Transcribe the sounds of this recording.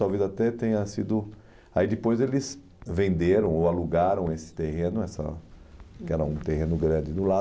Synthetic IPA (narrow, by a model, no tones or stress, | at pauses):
avezat̪ɛt̪ẽj̃ɐsid̪ʊ | aid̪ɪpojzelɪs | vẽnd̪eɾɐ̃w̃oaluɡaɾɐ̃w̃esɪ̥t̪ehẽnʊɛsɐ̰ | kɪɛɾɐũt̪eɦẽnʊɡɾɐ̃d͡ʒɪd̪ʊla